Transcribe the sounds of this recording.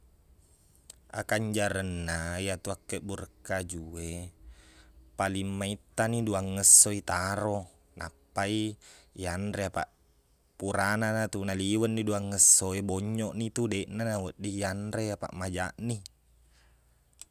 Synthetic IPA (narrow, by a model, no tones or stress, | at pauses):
a̰kaɲd͡ʒaɾənːajat̪uakːəʔbuɾəkːad͡ʒue | palimːait̪ːaniduaŋːəsːoit̪aɾo | nʔa̰pːaijanɾeapa̰ʔ | puɾananat̪unaliwənːiduaŋːəsːoebɔɲːɔʔnit̪udeʔnanawəʔdijandɾeapa̰ʔmad͡ʒaʔni